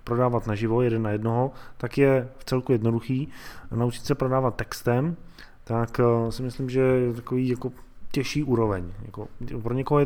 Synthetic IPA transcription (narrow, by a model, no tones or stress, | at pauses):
pɾo̞daːvat̪naʒɪvo̞jɛdɛnːajɛdnoɦot̪akjɛft͡sɛlkujɛdno̞duxiːnaut͡ʃɪ̥t̪sɛpɾo̞daːvat̪̚ːɛkst̪ɛm | t̪aksɪmɪslɪmʒɛjɛt̪akoviːjako̞ | cɛʃiːʔuːɾo̞vɛɲja̰kopɾoɲɛkoɦojɛ